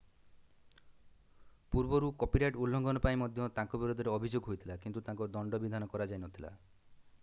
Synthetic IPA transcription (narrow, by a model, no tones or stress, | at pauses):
puɾbɔɾukɔpiɾajʈulːɔŋɡɔnɔpaĩmɔd̪ʱjɔt̪ãŋkɔbiɾod̪ʱɔɾeɔbʱid͡ʒoɡɦojt̪ʰilakint̪ut̪ãŋkɔd̪ɔɳɖɔbid̪ʱanɔkɔɾad͡ʒajnɔt̪ʰila̰